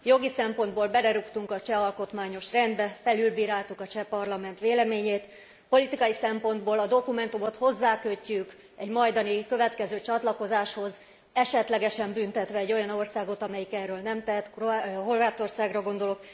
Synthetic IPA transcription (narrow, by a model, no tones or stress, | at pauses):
jo̞ɡisɛmpo̞nd̪boːlbɛlɛɾukt̪uŋkɒt͡ʃɛɒlko̞t̪maːɲo̞ʃrɛnd̪bɛfɛlylbiːɾaːlt̪ukɒt͡ʃɛpɒrlɒmɛnt̪ʋeːlɛmeːɲeːt̪ | po̞lit̪ikɒjisɛmpo̞nd̪boːlɒd̪o̞kumɛnt̪umo̞t̪ho̞zːaːkøcːyk | ɛɟmɒjd̪ɒnikø̞vɛt̪kɛzøːt͡ʃɒt̪lɒko̞zaːʃho̞z | ɛʃɛt̪lɛɡɛʃɛmbynt̪ɛt̪ʋɛːɟːo̞jɒno̞rsaːɡo̞t̪ɒmɛjikɛrːøːlnɛmt̪ɛɦɛt̪ɦo̞rvaːt̪o̞rsaːɡrɒɡo̞nd̪o̞lok